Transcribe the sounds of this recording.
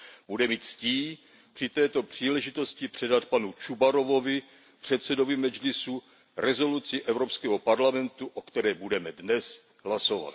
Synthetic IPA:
b̥udɛmiːt̪sciː | pr̥ɪt̪ɛːt̪o̞pr̝̥iːlɛʒɪt̪o̞scɪpr̝̥ɛdat̪panut͡ʃubaɾo̞vo̞vɪ | pr̝̥ɛt̪sɛdo̞vɪmɛd͡ʒlɪsu | ɾɛzo̞lut͡sɪʔɛvɾo̞pskɛːɦopaɾlamɛnt̪uʔokt̪ɛɾɛːbudɛmɛdnɛs | ɦlaso̞va̰t̪

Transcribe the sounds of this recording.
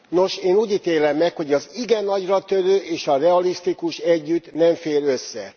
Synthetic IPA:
no̞ʃeːnuːɟit̪eːlɛmːɛkho̞ɟɒziɡɛnːɒɟrɒt̪øløːʔeːʃɒrɛɒlist̪ikuʃɛɟːyt̪nɛɱfeːɾø̞sːɛ̰

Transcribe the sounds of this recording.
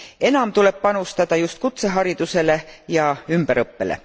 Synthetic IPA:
e̞nɑmt̪ule̞ppɑnust̪ɑd̪̥ɑjust̪̚kut̪se̞ɦɑɾid̪̥use̞le̞jɑymb̥eɾɤpːe̞̰lḛ

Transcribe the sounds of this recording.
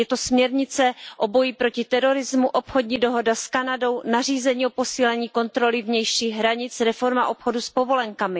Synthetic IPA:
jɛt̪o̞smɲɛɾɲɪt͡sɛʔo̞bo̞jipɾo̞cɪt̪ɛɾo̞ɾɪzmuʔopxo̞dɲiːdo̞ɦo̞daskanado̞wnar̝iːzɛɲiːʔopo̞siːlɛɲiːko̞nt̪ɾo̞lɪvɲɛjʃiːɦɾaɲɪt͡sɾɛfo̞ɾmaʔo̞pxo̞duspo̞vo̞lɛŋkamɪ

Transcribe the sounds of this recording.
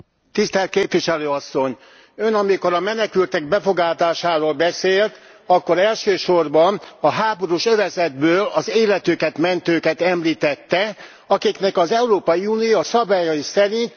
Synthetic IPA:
t̪ist̪ɛlt̪̚keːpʋiʃɛløːɒsːo̞ɲ | ø̞nɒmiko̞ɾɒmɛnɛkylt̪ɛɡ̚bɛfo̞ɡaːt̪aːʃaːɾoːlbɛseːlt̪ | ɒkːo̞ɾɛlʃøːʃo̞rbɒnɒɦaːbo̞ɾuʃøvɛzɛd̪̚bøːlɒzeːlɛt̪økɛt̪mɛnt̪øːkɛt̪ɛmliːt̪ɛt̪ːɛ | ɒkiknɛkɒzɛuɾoːpɒjiuːnijosɒbaːjɒjisɛɾint̪

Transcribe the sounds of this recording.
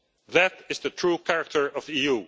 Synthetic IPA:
ðætɪzðɨtʰɹ̥ukʰæɹək̚tʰə˞ʌviju

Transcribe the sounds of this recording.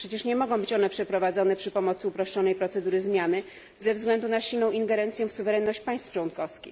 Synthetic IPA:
pʂɛt͡ɕɛʂɲɛmɔɡɔ̃w̃bɘt͡ɕɔnɛpʂɛpɾɔvad̪zɔnɛpʂɘpɔmɔt̪sɘupɾɔʂt͡ʂɔnɛjpɾɔt̪sɛd̪uɾɘzmʲjanɘ | zɛvzɡlɛnd̪unaɕilnɔ̃w̃ʔinɡɛɾɛnt̪sjɛfsuvɛɾɛnːɔɕt͡ɕpaj̃st̪ft͡ʂwɔnkɔfskʲḭx

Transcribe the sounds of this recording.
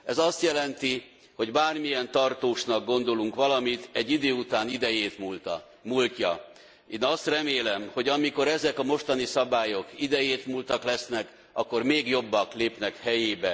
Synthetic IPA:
ɛzɒst̪jɛlɛnt̪i | ho̞ɟbaːrmijɛnt̪ɒrt̪oːʃnɒɡ̚ɡo̞nd̪o̞luŋkʋɒlɒmit̪ɛɟːid̪øːut̪aːnid̪ɛjeːt̪mult̪ | muːlcɒ̰ | eːnɒst̪rɛmeːlɛmho̞ɟɒmiko̞ɾɛzɛkɒmo̞ʃt̪ɒnisɒbaːjo̞kid̪ɛjeːt̪muːlt̪ɒklɛsnɛk | ɒkːo̞rmeːɡjo̞bːɒkleːpnɛkhɛjeːbɛ

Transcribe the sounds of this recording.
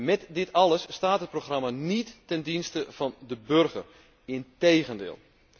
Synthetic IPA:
mɛtdɪtʰɑlˠəsːtaːtɦət̚proxramanitːɛndinstəv̥ɑndəbørɣər | ɪnteːɣəndɪ̰ːlˠ

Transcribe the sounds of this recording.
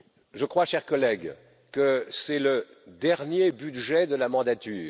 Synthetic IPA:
ʒəkχwaʃɛʁkɔlɛɡ | kəsɛlə | d̪ɛʁnjebyd̪ʒɛd̪əlamɑ̃d̪at̪yː

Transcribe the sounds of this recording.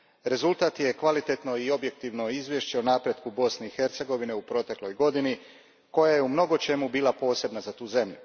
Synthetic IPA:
ɾe̞zulˠt̪aːt̪je̞kʋalit̪e̞t̪no̞io̞bjek̚t̪iʋno̞izʋje̞ʃt͡ɕe̞onaːpɾje̞d̪kubo̞sneixe̞ɾt̪se̞ɡo̞ʋineupɾo̞t̪e̞klo̞jɡo̞d̪ini | ko̞jaje̞umno̞ɡo̞t͡ʃe̞mubiːlˠapo̞ːse̞bnazat̪uːze̞mʎu

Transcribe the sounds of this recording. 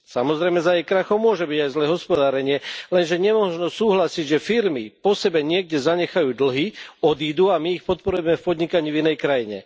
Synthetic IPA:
samɔzɾɛjmɛzajɛjkɾaxɔʊmʊɔʒɛbiɟajzlɛːɦɔspɔd̪aːɾɛɲɪɛlɛnʒɛɲɛmɔʒnɔsuːɦlasiɟʒɛfiɾmipɔsɛbɛɲɪɛɡ̚ɟɛzaɲɛxajuːd̪l̩ɦiɔd̪iːd̪uamiːxpɔt̪̚pɔɾujɛmɛfpɔd̪ɲikaɲiːvinɛjkɾajiɲɛ̰

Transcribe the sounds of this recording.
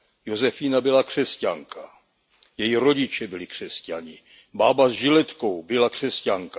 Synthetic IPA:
jozɛfiːnabɪlakr̝̥ɛscaŋka | jɛjiɾo̞ɟɪt͡ʃɛbɪlɪkr̝̥ɛscaɲɪ | baːbazʒɪlɛt̪ko̞wbɪlakr̥ɛscaŋka

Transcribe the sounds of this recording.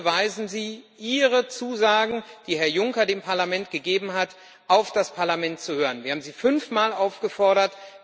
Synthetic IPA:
vaɪzn̩ziːʔiːʁət͡suːzaːɡŋ̩d̥iːhɛɐjʊŋkɐdeːmpʰaɐlamɛntɡ̥əɡeːbm̩ɦat | ʔaʊfd̥aspʰaɐlamɛntt͡suhøːʁ̞ənviːɐhaːm̩ziːfʏnfmaːlʔaʊfɡ̥əfɔɐɾɐt

